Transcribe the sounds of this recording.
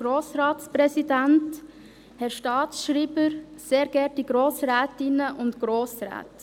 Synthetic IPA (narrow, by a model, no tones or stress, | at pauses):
ɡ̥ɾoːsɾɑːtspɾɛsidɛnt | hɛɾʃtɑːtsʃɾiːbəɾseːɾɡ̥ɛɾtdiɡɾoːsɾɛːtɪnəʔʊntɡ̥ɾoːsrɛ̰ːt